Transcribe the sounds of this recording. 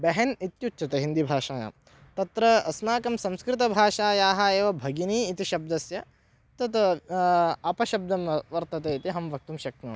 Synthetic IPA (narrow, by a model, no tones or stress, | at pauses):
bɛɦɐnit̪jutːt͡ʃʰɐt̪ɐɦind̪ibʱaːʃaːja̰ːm | t̪ɐt̪ɾɐɐsmaːkɐmsɐ̃mskɾɪt̪̬ɐbʱaːʃaːjaːɦɐeːʋɐbʱɐɡiniːt̪iʃɐb̚d̪ɐsjɐ | t̪ɐt̪ | ɐpɐʃɐb̚d̪ɐmʋɐɾt̪ɐt̪eit̪iɦɐmʋɐk̚t̪umʃɐk̪̚nɐ̰ː